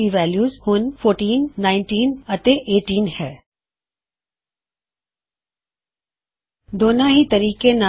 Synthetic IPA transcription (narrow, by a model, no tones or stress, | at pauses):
iʋɛːljuːzhʊnfʰoːɾʈiːnːãːɪnʈiːnɐt̪eʔeːʈiːnhɛː | d̪oːnãɦit̪ɐɾiːkena